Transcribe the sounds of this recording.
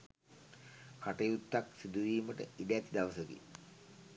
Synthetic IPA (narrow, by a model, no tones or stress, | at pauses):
kaʈɐjut̪ːaksid̪uʋiːməʈəiɖat̪id̪ɐʋɐsɐkḭ